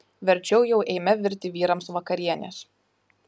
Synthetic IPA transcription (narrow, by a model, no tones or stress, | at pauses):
ʋʲɛɾʲt͡ʃʲɛʊjɛʊʔɛɪmʲɛʋʲɪɾʲt̪ʲɪʋʲiːɾɐmsʋɐkɐɾʲiɛnʲɛ̰s